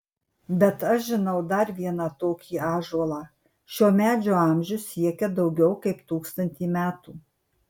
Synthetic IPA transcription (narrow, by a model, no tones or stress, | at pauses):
bʲɛt̪ɐʃʒʲɪnɐʊd̪ɐɾʋʲiɛnɑt̪oːkʲʰiːɑːʒoɔlˠɑː | ʃʲoːmʲæːd͡ʒʲoːɑˑmʲʒʲʊsːʲiɛkʲɛd̪ɐʊɡʲɛʊkɐɪpt̪uːkst̪ɐnʲt̪ʲiːmʲæːt̪uː